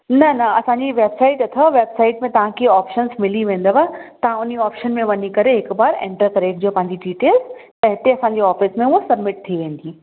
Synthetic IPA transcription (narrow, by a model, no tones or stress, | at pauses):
nɐnɐɐsãɲd͡ʑiʋeːbsaːɪʈɐt̪ʰəʋeːbsaːɪʈmẽt̪ɐʋ̤ãkʰiɔːpʃənzmɪliʋẽːn̆d̪əʋat̪ɐʋ̤ãʊniɔːpʃənmẽʋɐnikɐɾeɦɪkbaːɾḛ̃ːɳʈəɾkɐɾekd͡ʑiopɐ̃ɦɪ̃ɲd͡ʑiɖiːʈeːlzt̪ɐɦɪt̪eɐsãːɲd͡ʑeɔːfɪsmẽosɐbmɪʈ̚t̪ʰiʋẽːn̆d̪iː